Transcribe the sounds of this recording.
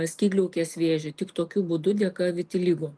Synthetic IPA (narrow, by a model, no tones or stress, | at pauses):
ɐsʲkʲiːɡlʲʊʊkʲeːsʋʲeːʒʲɛt̪ʲɪkt̪oːkʲubʊd̪ʊd̪ʲɛkɐʋʲɪt̪ʲɪlʲiːɡo